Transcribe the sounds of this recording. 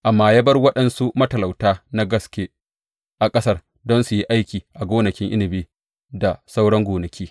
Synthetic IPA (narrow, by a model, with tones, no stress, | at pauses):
ʔa˨mːaː˦jɐ˦bɐ˦rwɐ˦ɗɐ˨nsu˦mɐ˦tɐ˨la˨wtaː˦na˦ɡɐ˦skʲeː˦ | ʔa˨kʼɐ˦sɐ˦r | dɔ˦nsu˨ji˦ʔa˦jkʲiː˨ʔa˨ɡʷoː˦nɐ˨kʲɪ˦ŋʔɪ˦nɪ˨biː˦ | da˨sa˦wɽɐ˦ŋɡʷoː˨nɐ˨kʲiː˦